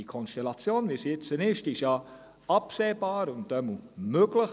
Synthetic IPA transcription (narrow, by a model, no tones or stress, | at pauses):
ikʰɔnʃtɛlɑt͡sjoːnʋisjɪt͡sənɪʃtɪʃjɑ | ɑpseːbaːɾʊntd̥ɛmumøɡləχ